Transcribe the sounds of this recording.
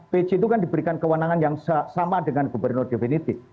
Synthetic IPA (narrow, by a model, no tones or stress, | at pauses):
pet͡ʃit̪̬ukandibəɾikankəwənaŋanjaŋsasamadəŋanɡubərnʊrd̥̪efenit̪i